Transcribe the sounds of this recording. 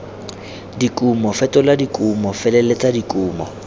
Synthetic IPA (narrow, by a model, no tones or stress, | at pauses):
dikʼumɔfɛtʼɔladikʼumɔfɛlɛlɛt͡sʼadikʼuːmɔ̰